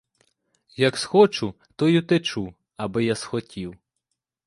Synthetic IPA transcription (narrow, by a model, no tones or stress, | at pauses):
jɐksxɔt͡ʃʊ | t̪ɔjut̪ɛt͡ʃu | ɐbɪjasxɔtʲiw